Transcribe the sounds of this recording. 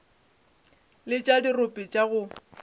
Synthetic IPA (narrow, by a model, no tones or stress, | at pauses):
lɪt͡ʃʼadirʊpʼɪt͡ʃʼaɣʊ